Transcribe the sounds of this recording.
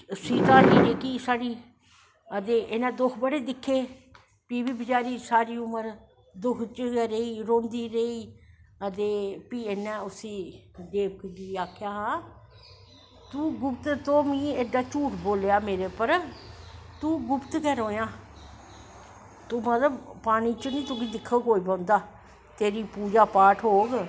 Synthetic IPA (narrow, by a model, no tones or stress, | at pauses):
siːt̪aːɾiːɾeːkiːsaːɽiː | ət̪eːʔɪnɛ̃ːd̪ʊkʰbəɽeːd̪ɪkʰːeː | piːbiːbɪd͡ʒaːɾiːsaːɾiːʊməɾ | d̪ʊkʰt͡ʃɛɾəiːɾõːnd̪iːɾəiːət̪eːpiːenɛ̃ːʊsĩːd̪eːʋkbiːaːkʰjaːɦaː | t̪uːɡʊbt̪t̪õːmĩːeːɖaːt͡ʃuːʈboːljaːmeːɾeːpəɾ | t̪uːɡʊbt̪kɛɾõːjãː | t̪umət̪ləbpaːñiːt͡ʃənĩːt̪ʊkid̪ɪkʰːakoːiːbɔ̃ːnd̪aː | t̪eːɾiːpuːd͡ʒaːpaːʈʰɦoːɡ